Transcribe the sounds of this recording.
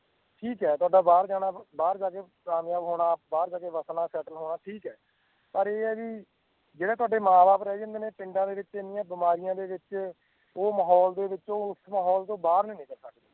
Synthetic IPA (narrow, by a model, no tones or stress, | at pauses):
ʈʰiːkɛːt̪ʊaːɖaːbaːɾd͡ʒaːɽ̃aːbaːɾd͡ʒaːkeː | aːmjaːbɦoːɽaːbaːɾd͡ʒaːkeːʋəsnaːsɛːʈəlɦoːɽaːʈʰiːkɛː | pəɾeːɛːʋiː | d͡ʒeːɽaːt̪ʊwaːɖeːmãːbaːpɾɛːd͡ʒə̃nd̪eːneːpɪɳɖãːd̪eːʋɪt͡ʃenɪjãːbɪmaːɾɪjãːd̪eːʋɪt͡ʃ | oːməɦɔːld̪eːʋɪt͡ʃoːʊsmaːɦɔːlt̪õːbaːɾnĩːnĩːkəɾsəkd̪eː